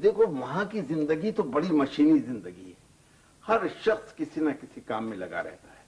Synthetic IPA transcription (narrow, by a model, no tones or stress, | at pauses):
d̪eːkʰoʋɐɦãkizɪ̃nd̪əɡit̪obɐɽimɐʃiːnizɪ̃nd̪əɡiɦɛ | hɐɾʃɐxskɪsinakɪsikaːmːẽlɐɡa̰ɾɛ̰ɦt̪aɦɛː